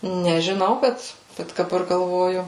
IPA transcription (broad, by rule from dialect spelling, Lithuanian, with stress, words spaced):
nʲɛʒʲɪˈnɐʊ ˈbʲɛt ˈbʲɛt dɐˈbɐr ɡɐlˠˈʋoːjʊ